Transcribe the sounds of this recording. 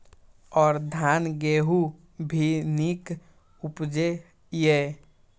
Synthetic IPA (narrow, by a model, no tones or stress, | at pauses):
ɔːɾd̪ʱanɡeːɦu | bʱinik | upd͡ʒe | je